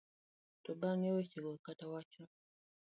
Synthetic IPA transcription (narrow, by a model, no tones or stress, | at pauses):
tobaŋewet͡ʃeɡokatawat͡ʃo